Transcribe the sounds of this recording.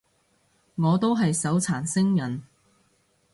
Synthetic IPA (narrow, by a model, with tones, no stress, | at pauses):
ŋɔː˨˧t̪o˥wɦɐ˨jsɐ˨˥wt͡sʰaː˨˩nsɪ˥ŋjɐ˨˩n